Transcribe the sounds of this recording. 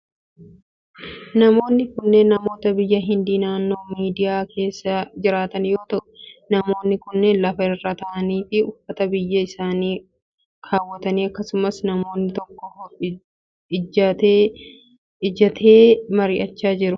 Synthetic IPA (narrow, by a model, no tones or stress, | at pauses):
nɐmo̞ːnːɪkʊnːenːɐmo̞ːt̪ɐbɪjːɐɦɪnd̪iːnaːnːo̞ːmiːd̪ɪjaːkʰe̞ːsːɐd͡ʒɪɾaːt̪ɐnjo̞ːt̪ɐʔʊ̥nɐmo̞ːnːɪkʊnːenlɐfɐɪrːɐt̪ɐʔɐniːfɪʊfːɐt̪ɐbɪjːɐɪsaːniː | kʰaːwːɐt̪ɐniːɐkːɐsʊmɐsnɐmo̞ːnːɪt̪ɔkːɔ | ɪɐt̪eː | ɪd͡ʒɐt̪ʰeːmɐɾɪʔɐt͡ʃːaːd͡ʒɪɾʊ